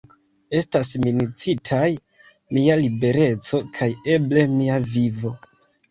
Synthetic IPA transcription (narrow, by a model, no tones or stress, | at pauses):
e̞stasminit͡sitʰaj | mialibe̞ɾe̞t͡so̞kʰaje̞ble̞miavivo̞